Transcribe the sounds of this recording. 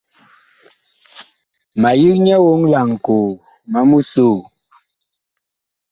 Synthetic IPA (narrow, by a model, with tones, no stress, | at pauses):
ma˨ji˦k̚ɲɛ˦wo˦ŋla˨ŋ˨ko˨ | ma˦mu˦su˦˨